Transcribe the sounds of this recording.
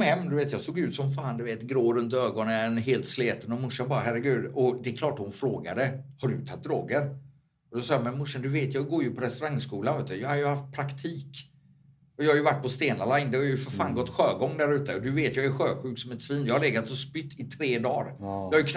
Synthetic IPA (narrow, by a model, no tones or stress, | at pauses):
hɛmːd̪ɵveːt̪jɑːsoːɡjʉ̟ːt̪sɔmfaːnd̪ɵveːt̪ɡɾoːɾɵnt̪øːɡɔnənɦeːlt̪sleːt̪ənɔmʊʂanbɑːɾaɦæɾəɡʉ̟ːd̪ɔd̪ɛɛkʰlɑːʈːhʊnfɾoːɡa̰d̪əhaɖɵ̰t̪ʰat̪̚d̪ɾo̰ːɡəɾ | ɔd̪ɔsɑːjamɛnmʊʂand̪ɵveːt̪jɑːɡoːɾjɵpʰɔɾɛst̪ɵɾaŋskuːlanveːt̪jɑːhaɾjɵhaft̪̚pʰɾakt̪ʰiːk | ɔjɑːhaɾjɵvaʈːpʰɔst̪eːnalaɪnd̪ɛhaɾjʉfœɾfaːnɡɔt̪ːɧøːɡɔŋːd̪æɾʉ̟ːt̪əɔd̪ɵveːt̪jɑːæɾɧøːɧʉ̟ːksɔmɛt̪sviːnjɑːhalɛɡat̪sɔspʏt̪ʰːɪt̪ʰɾeːd̪ɑːɾjɑːhajɵkʰ